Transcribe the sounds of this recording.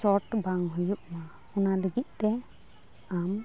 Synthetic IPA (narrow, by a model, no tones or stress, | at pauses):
sɔʈbaŋɦujuʔ̚ma | unaləɡit̪̚ˀt̪ɛ | am